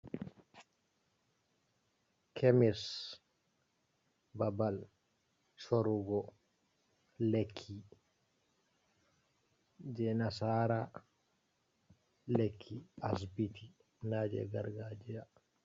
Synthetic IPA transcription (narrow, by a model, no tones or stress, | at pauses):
kʰemis | babal | soɾuɡɔ | lekʰːi | d͡ʒɛnasaːɾa | lekʰːias̬bitʰi | nad͡ʒɛ̰ɡa̰ɾɡaːd͡ʒɛja